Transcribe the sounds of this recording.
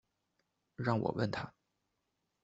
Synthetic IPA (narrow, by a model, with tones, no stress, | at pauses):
ɻɑ˥˩ŋwɔ̰˨˩wə̰˥˩nt̪ʰa˥